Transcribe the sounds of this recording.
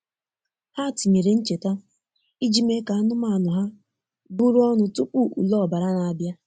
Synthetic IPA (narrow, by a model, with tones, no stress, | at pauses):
ha˦˨ti˨me˨ɾe˨n̩˦t͡ʃe˨ta˦ | i˦d͡ʒi˦me˦ka˨˦nʊ˦ma˦˨nʊ˨ɦa˦ | bu˦ɾu˦ɔ˦nʊ˨tʊ˦k͡pu˦˨ʔṵ˨lɔ˦˨ba˨ɾa˦na˨a˨bja˦